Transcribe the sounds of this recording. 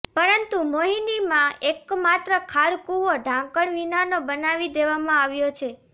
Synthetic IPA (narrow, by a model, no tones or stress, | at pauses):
pəɾənt̪umoɦinimãekmat̪ɾəkʰaɾkuʋoɖʱãkəɳʋinanobənaʋid̪eʋamãaʋjot͡ʃʰe